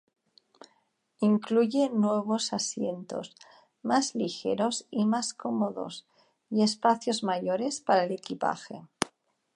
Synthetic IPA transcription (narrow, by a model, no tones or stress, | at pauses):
iŋkluʝenweβ̞osasjent̪o̞̰s | mazlixeɾo̞simaskomoðo̞̰s | ie̞spaθjozmaʝoɾe̞spaɾaelekipa̰xe